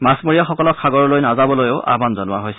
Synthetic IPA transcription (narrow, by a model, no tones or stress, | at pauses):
masmoɹijaxɔkɔlɔkʰaɡɔɹɔlojnazabɔlojoʊʔa̰banzɔnʊaɦojsɛ